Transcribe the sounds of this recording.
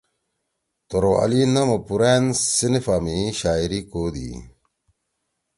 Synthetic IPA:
t̪oɾoɐ̰linɐmɐpuɾeːnsinifaːmiɕaːiɾikoːd̪ḭ

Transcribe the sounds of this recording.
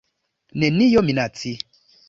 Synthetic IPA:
nɛ̃nĩjomĩnatʰi

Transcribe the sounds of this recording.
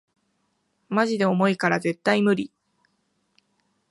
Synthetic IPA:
maʑid̪e̞o̞mo̞ikaɾaze̞t̪ːaimɯ̟ɾʲi

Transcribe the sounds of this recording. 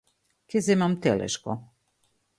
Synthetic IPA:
kezemamt̪ɛlɛ̰ʃkɔ̰

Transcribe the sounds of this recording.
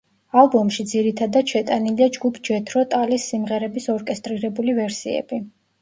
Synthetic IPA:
alˠbɔmʃid̪ziɾit̪ʰad̪at̪ʃɛt̪ʼaniliad͡ʒɡupʰd͡ʒɛt̪ʰɾɔt̪ʼalisːimʁɛɾɛbisɔɾkʼɛst̪ʼɾiɾɛbulivɛɾsiɛ̰b̥i

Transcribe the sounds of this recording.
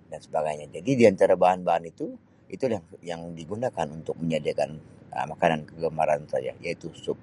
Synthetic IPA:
dansəbaɡajɲad͡ʒadidiant̪aɾabaɦanbaɦanit̪u | it̪ujaŋjaŋdiɡunakanunt̪ʊk̚məɲadiakanə̰makanankəɡəmaɾansa̰d͡ʒa̰jait̪usʊp̚

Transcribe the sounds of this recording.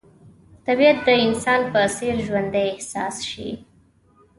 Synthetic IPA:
t̪abijat̪̚d̪əɪnsɑnpəseɾʒwand̪ajɪhsɑsʃḭ

